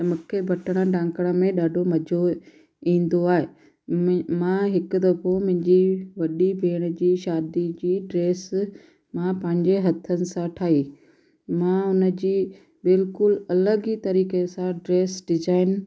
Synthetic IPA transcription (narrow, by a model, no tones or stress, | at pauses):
t̪ɐmʊkʰebʱɐʈəɽ̃ə̆ɖãːŋkəɽ̃ə̆mẽɗaːɖʱomɐd͡ʑʱo | ĩːn̆d̪oaːɦe | mãɦɪkʊ̆d̪ɐpomʊ̃ɦɪ̃ɲd͡ʑiʋɐɗibʱeːɽ̃əd͡ʑiːʃaːd̪id͡ʑiːɖɾeːs | mãpɐ̃ɦɪ̃ɲd͡ʑeɦɐt̪ʰːənɪ̆sãʈʰaːɦiː | mãʊnə̆d͡ʑiː | bɪlkʊlɐləɡit̪ɐɾiːkesãɖɾeːsɖɪzaːɪn